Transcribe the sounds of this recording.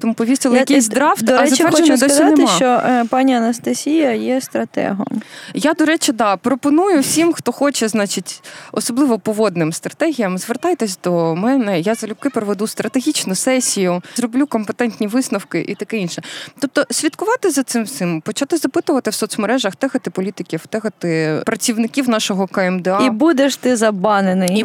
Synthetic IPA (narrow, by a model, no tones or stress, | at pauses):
t̪ɔmupɔʋʲisʲtʲilˠɐjkʲisʲzd̪ɾɑwt̪ɪɐzɐɛrʃenɛd̪ɔszineɪmʃɑt͡ʃɔpɑnʲiɐnɐst̪ɐsʲijɐjɛst̪ɾɐt̪ɛ̰ɦɔ̰mjad̪ɔɾɛt͡ʃɪd̪ɑpɾɔpɔnujʊwsʲimxt̪ɔxɔt͡ʃɛznɑt͡ʃitʲɔsɔblˠɪʋɔpɔʋɔd̪nɪmst̪ɾɐt̪ɛɦʲijɐmzʋert̪ɑjt̪ɛsʲd̪ɔmɛnɛjazɐlʲʊb̚kɪpɾɔʋed̪ust̪ɾʔɐt̪eɦʲit͡ʃnʊsɛsʲijʊzɾɔblʲukɔmpet̪ɛnʲt̪ʲnʲiʋɪsnɐwkɪʔḭt̪ɐkɛinʃɛt̪ɔp̚t̪ɔsʲʋʲid̪kʊʋɑt̪ɪzɐt̪sɪmt̪sɪmpɔt͡ʃat̪ɪzɐpɪt̪ʊʋɐt̪ɪwsɔt̪smeɾɛʒɐxt̪ɛxɐt̪ɪpɔlʲit̪ɪkʲiwt̪ɛxɐt̪ɪpɾɐt͡sʲiwnɪkʲiwnɑʃɔɦɔkɐɛmd̪ɛɑibud̪eʃt̪ɪzɐbɑnenɪj